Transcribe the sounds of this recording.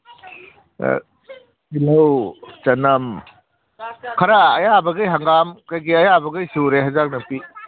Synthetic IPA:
ilɐwt͡ʃɐnɐm | kʰɐɾaːjabɐɡɯjɦaŋɡamkajɡiɐjabɐɡɯjsuɾeɦazak̚nɐpi

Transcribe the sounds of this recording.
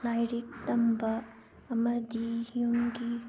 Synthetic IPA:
lajɾik̚t̪ɐmbɐ | ɐmɐd̪ihijumɡi

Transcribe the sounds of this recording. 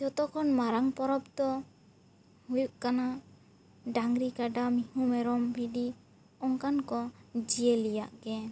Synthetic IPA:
d͡ʒɔt̪ɔkʰɔnmaɾaŋpɔɾɔp̚t̪ɔ | hujuʔkana | ɖaŋɡɾikaɖamihumɛɾɔmbʱidi | ɔŋkankɔd͡ʒijelijaʔɡɛ

